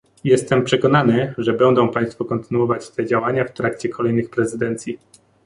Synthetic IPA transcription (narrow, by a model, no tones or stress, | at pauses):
jɛst̪ɛmpʂɛkɔnanɘʐɛbɛnd̪ɔ̃w̃paj̃st̪fukɔnt̪ɘnuɔvat͡ɕt̪ɛd͡ʑawaɲaft̪ɾakt͡ɕɛkɔlɛjnɘxpɾɛzɘd̪ɛnt̪sʲji